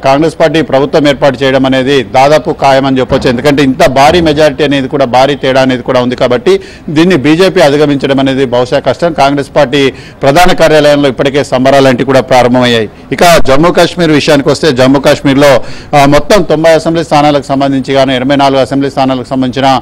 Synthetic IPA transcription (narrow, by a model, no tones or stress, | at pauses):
kaːŋɡɾespaːɾʈ̬iːpɾɐbʱut̪ʋɐmeːɾpaːʈ̬ut͡ʃɛːjɐɽɐmɐne̞ːd̪id̪aːd̪aːpukaːjɐmɐnit͡ʃɛpːot͡ʃːuend̪ukɐɳʈeːint̪ɐbʱaːɾiːmɛd͡ʒaːɾiʈiːɐne̞ːd̪ikuːɽaːbʱaːɾiːt̪ɛːɽaːɐneːd̪ikuːɽaːund̪ikaːbɐʈːi | d̪iːnːibiːd͡ʒe̞ːpiːɐd̪iɡɐmiɲt͡ʃɐɽɐmɐneːd̪ibʱɐʋuʂaːkɐʂʈɐmkaːŋɡɾe̞ːspaːɾʈiː | pɾɐd̪ʱaːnɐkaːɾjaːlɐjɐmlo̞ːipːɐʈike̞ːsɐmbɐɾaːlɐɳʈikuːɽaːpɾaːɾɐmbʱɐmɐjːaːji | ikɐd͡ʒɐmːuːkaːʂmiːɾʋiʂɐjaːnikiʋɐst̪e̞ːd͡ʒɐmːuːkaːʂmiːɾlo̞ːmɔt̪ːɐmt̪ombɐjɐsembliːst̪ʰaːnaːlɐku̥sɐmbɐnd̪iɲt͡ʃiɡaːnuɛnɐʋɐjnaːluɡuɐsembliːst̪ʰaːnaːlɐkusɐmbɐniɲt͡ʃinɐ